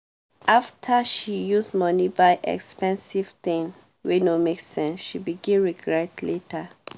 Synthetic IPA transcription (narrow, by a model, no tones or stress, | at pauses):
aftʰaʃijuzmɔnibaɪʔɛ̰kspɛ̃nsiv̥tĩŋ | wenomeksɛ̃nsʃibiɡĩnɹiɡɹɛtletʰə